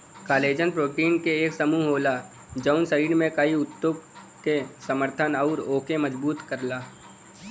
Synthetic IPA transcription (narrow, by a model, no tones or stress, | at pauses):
kaːleːd͡ʒənpɾoːʈiːɳkeeːksəmuːɦɦoːla | d͡ʒəʊnsəɾiːɽmẽkɐiʊt̪joɡ | kesəməɾt̪ʰənɐʊːɾoːkeməd͡ʒbuːt̪kəɾlaː